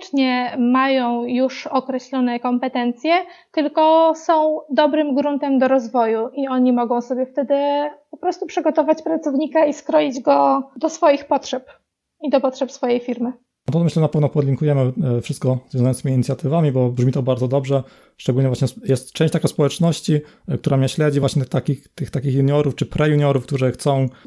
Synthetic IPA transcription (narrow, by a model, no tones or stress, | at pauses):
t͡ʂɲɛmajɔ̃w̃juʂɔkɾɛɕlɔnɛkɔmpɛt̪ɛnt̪sʲjɛt̪ɘlkɔsɔ̃w̃d̪ɔbɾɘmɡɾunt̪ɛmd̪ɔɾɔzvɔjuʔiɔɲimɔɡɔ̃w̃sɔbʲjɛft̪ɛd̪ɘpɔpɾɔst̪upʂɘɡɔt̪ɔvat͡ɕpɾat̪sɔvɲikaiskɾɔjid͡ʑɡɔd̪ɔsfɔjixpɔtʂɛp | id̪ɔpɔtʂɛpsfɔjejfʲiɾmɘ | ɔt̪ɔmɘɕlɛnapɛvnɔpɔd̪lʲiŋkujɛmɘfʂɘst̪̚kɔzvjɔ̃zajɔnimʲiːɲit̪sʲjat̪ɘvamʲibɔbʐmʲit̪ɔbaɾd̪zɔd̪ɔbʐɛ | ʂt͡ʂɛɡulɲɛvwaɕɲɛjɛst̪t͡ʂɛ̃w̃t͡ɕt̪akaspɔwɛt͡ʂnɔɕt͡ɕi | k̚t̪uɾamɲɛɕlɛd͡ʑivwaɕɲɛt̪akʲixt̪ɘxt̪akʲixjuɲɔɾuft͡ʂɘpɾʔɛjuɲɔɾufkt̪uʐɘxt̪sɔ̃w̃